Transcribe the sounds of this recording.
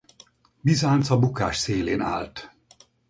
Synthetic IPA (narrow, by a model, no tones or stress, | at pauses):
bizaːnt̪sɒbukaːʃseːlḛːna̰ːlt̪